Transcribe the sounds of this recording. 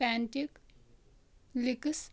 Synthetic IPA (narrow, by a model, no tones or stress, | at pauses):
æɳʈik | liks